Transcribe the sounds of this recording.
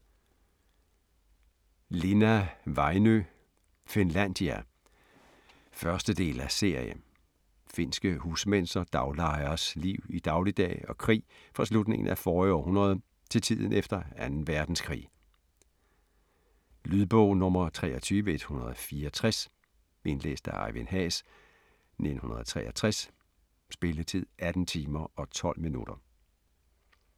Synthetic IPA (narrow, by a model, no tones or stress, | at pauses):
le̝næʋɑ̈ɪnø | fenlæn̰d̥iæ | fɶɐsd̥əd̥e̝̰ːlæse̝ɐjə̰ | fe̝nsɡ̥əhuːsmen̰sd̥ɐd̥ɑ̈ʊlɑ̈ɪɐsliʊid̥ɑ̈ʊlid̥ɛ̰ːɒ̽kʰʁḭː | fʁɑ̈slud̥ne̝ŋn̩ʔæfɒːɒ̰hunɐð̞̩ˠ | t͡sʰe̝lt͡sʰið̞̰ˠn̩efd̥ɐænn̩ʋæɐd̥n̩skʰʁḭː | lyðˠb̥ɔʊ̰nɔmɐt͡sʰʁɛːɒt͡sʰyːʋəe̝d̥hunɐð̞̩ˠɒfiːɐɒt͡sʰʁas | e̝nlḛːsd̥æɑ̈ɪʋenɦɛ̰ːs | nʔe̝d̥n̩hunɐð̞̩ˠt͡sʰʁɛ̰ːɐt͡sʰʁas | sb̥e̝lət͡sʰið̞̰ˠʔæd̥n̩t͡sʰiːmɐɒ̽t͡sʰɒ̽l̰minṵɾ̥ɐ